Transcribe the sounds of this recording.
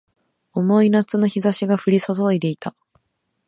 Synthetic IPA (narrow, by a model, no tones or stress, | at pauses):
omo̞inat͡sɨno̞çizaɕiɡaɸɯ̟ɾʲiso̞so̞id̪e̞it̪a